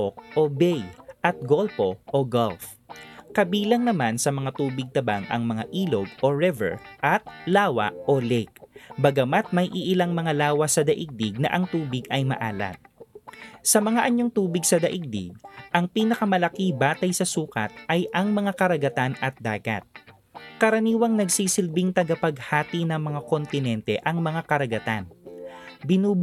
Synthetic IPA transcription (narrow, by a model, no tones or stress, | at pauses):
ok̚ʔobɛjʔɐt̪̚ɡolpo̞ʔoɡolf | kɐbiːlɐŋnɐmansɐmɐŋat̪uːbɪɡ̚t̪ɐbaŋʔɐ̰ŋmɐŋaʔiːloɡ̚ʔoɹɪvɛ̰ɹʔɐt̪̚laːwɐ̰ʔolɛjk̚bɐɡɐmat̪̚mɐjʔiʔɪlaŋmɐŋalaːwɐsɐd̪ɐʔɪɡ̚d̪ɪɡ̚nɐ̰ʔɐŋt̪uːbɪɡɐjmɐ̰ʔaːlɐ̰t̪̚ | sɐmɐŋaʔɐɲoŋt̪uːbɪɡsɐd̪ɐʔɪɡ̚d̪ɪ̰ɡ̚ʔɐŋpiːnɐkɐmɐlɐkibaːt̪ɐjsɐsuːkɐ̰t̪̚ʔɐjʔɐŋmɐŋakɐɾɐɡɐt̪anɐt̪̚d̪aːɡɐ̰t̪̚ | kɐɾɐniːwɐŋnɐɡsiːsɪlbɪŋt̪ɐɡɐpɐɡhaːt̪inɐŋmɐŋako̞nt̪ɪnɛnt̪ɛʔɐŋmɐŋakɐɾɐɡɐt̪an | bɪnuːb